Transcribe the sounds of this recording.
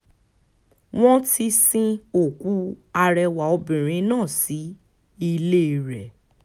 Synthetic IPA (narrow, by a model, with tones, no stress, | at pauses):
w̃ɔ̃˦tʰi˧sĩ˧o˨ku˦a˧ɾɛ˧wa˨ɔ˧bĩ˨ɾ̃ĩ˨˧˦nãː˦˨si˨˦ | i˧le˦˧ɾɛ˨